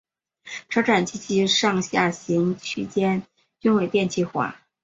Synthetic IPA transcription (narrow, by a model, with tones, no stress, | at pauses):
ʈ͡ʂʰɤ˧˥ʈ͡ʂʰa˨˩nt͡ɕʰi˥t͡ɕʰi˥ʂɑ˥˧ŋɕja˥˩ɕi˧˥ŋt͡ɕʰy˨˩t͡ɕjɛ˥n | t͡ɕy˥nwe˨˩ɪt̪jɛ˥˧nt͡ɕʰi˥˩xwa̰˧˥˦